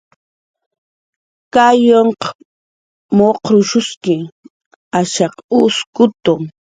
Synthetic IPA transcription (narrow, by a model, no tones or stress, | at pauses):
kajoɴqɑ̥ | moqɾʊʃʊskɪ | aʃɑqʊskʊt̪ʊŋ